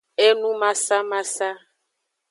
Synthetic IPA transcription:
ɛ˦nũ˦ma˨sa˦ma˦sa˦

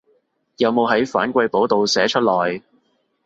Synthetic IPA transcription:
jɐ˨˧wmo˨˧wɦɐ˨˥jfa̰ː˨˥nkʷɐ˧jpo˨˥wt̪o˨wsɛː˨˥t͡ʃʰɵ˥t̚lɔː˨˩j

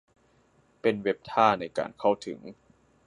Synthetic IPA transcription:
pe˧nwe˦˥p̚t̪ʰaː˥˩na˧jka̰ː˧nkʰa˥˩wt̪ʰɯ̰˩˦ŋ

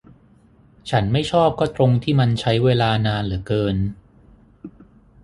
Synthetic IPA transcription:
t͡ɕʰa˦˥nma˥˩jt͡ɕʰɔː˥˩p̚kɔː˥˩t̪ɾo˧ŋt̪ʰiː˥˩ma˧nt͡ɕʰa˦˥jweː˧laː˧naː˧nlɯ˩˦kɤː˧n

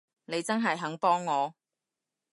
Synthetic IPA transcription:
ne˨˧jt͡sɐ˥nɦɐ˨jɦɐ˨˥ŋpɔː˥ŋːɔː˨˧

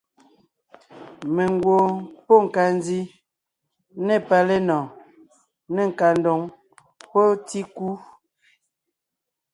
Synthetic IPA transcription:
me˨ŋɡwo˨po˦˨ŋ̩˨ka˨ndi˦ | ne˦˨pa˨le˦nɔ̃˨ | ne˨ŋ̩˨ka˨n˦do˨ŋ | po˦ti˦ku˦

